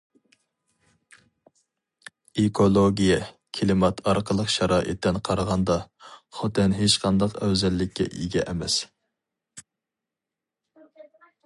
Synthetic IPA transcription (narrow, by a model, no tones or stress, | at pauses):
ekʰolˠoɡʲijɛ | kʲʰilɨmɑt̪ʰɑɾqʰəlˠəqʃɑɾɑːʔɨ̰t̪ːɛnqʰɑɾəʁɑnd̪ɑχot̪ʰɪnɦet͡ʃqʰɑnd̪ɑqæwzɛlːɪkʲʰːɛ̰ʔiɡʲɛ̰ʔɛmɛs